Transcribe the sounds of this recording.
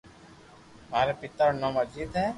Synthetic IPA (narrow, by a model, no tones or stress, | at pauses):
maːɾepɪt̪əɾnə̃məd͡ʒd͡ʒiːd̪ɦɛ̃ː